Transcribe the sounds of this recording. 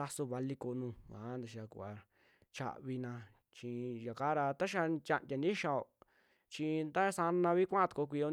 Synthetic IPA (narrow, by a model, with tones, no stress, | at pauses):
a˧so˧βa˧li˧ko˧nũː˧kã̰˨˦nd̪a˧ʃ̬a˧kṵ˧˨a˧ | t͡ʃa̰˧ʔβi˧nã˧ | t͡ʃĩ˧ja˨ka˦ɾa˧t̪a˦ʃ̬a˧t͡ʃʲa˧ʔndʲa˧nĩ˦ʃa˧˨o˨ | t͡ʃi˧nd̪a˦sa˧nã˧βi˦kʷã˦ã˧t̪u̥˧ko˧kʷi˧o˧